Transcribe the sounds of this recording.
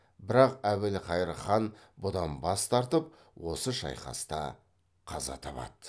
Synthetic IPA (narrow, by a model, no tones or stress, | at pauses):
bɪɾɑqæwɪlqɑjɾəχɑnbʊd̪ɑnbɑst̪ɑɾt̪əp | wo̞səʃɑ̰jqɑ̰st̪ɑ̰ | qʰɑzɑ̰t̪ʰɑpɑ̰d̪̥ə